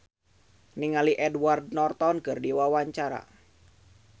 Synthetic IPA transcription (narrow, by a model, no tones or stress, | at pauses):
niŋaliʔɛdward̚nɔrt̪ɔnkərdiwawaɲt͡ʃaɾa̰